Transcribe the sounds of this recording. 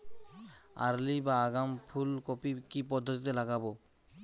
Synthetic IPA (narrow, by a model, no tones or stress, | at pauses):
a̰ɾlibaːɡampʰulkopikipɔd̪ʱːot̪it̪elaɡabo